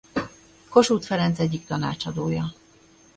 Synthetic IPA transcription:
ko̞ʃuːt̪fɛɾɛnt̪sɛɟːik̚t̪ɒna̰ːt͡ʃɒd̪oːjɒ

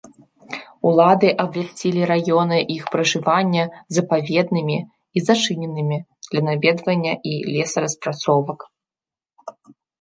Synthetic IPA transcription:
ulˠad̪ɨʔɐbvʲasʲt͡sʲilʲiɾajɔnɨʔixpɾɐʐɨvanʲːɐzɐpavʲɛd̪̚nɨmʲi | izat͡ʂɨnʲɛnɨmʲid̪̥lʲɐnavʲɛd̪vɐnʲːɐʔilʲɛsɐɾɐspɾat̪sɔvɐk

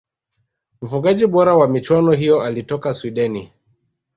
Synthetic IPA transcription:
m̩fuɠaʄiɓɔɾawamit͡ʃwanɔɦijɔʔalitɔkaswiɗɛni

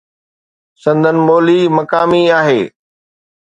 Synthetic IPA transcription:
sɐ̃nd̪ʱənɪ̆moːlimɐkaːmiaːɦeː

